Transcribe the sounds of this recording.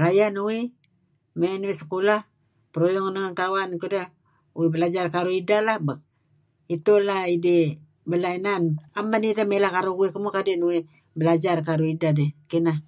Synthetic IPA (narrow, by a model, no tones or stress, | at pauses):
rajanuwi | menwisə̥kulah | pəɾojɔŋnəŋaŋt̪awankudə | uwibəlad͡ʒarkaɾuidalahbak̚ | it̪ulahidi | bəlainanamanidəmelahkaɾuuwikəmukadenuwi | bəlad͡ʒarkaɾuidadɛkina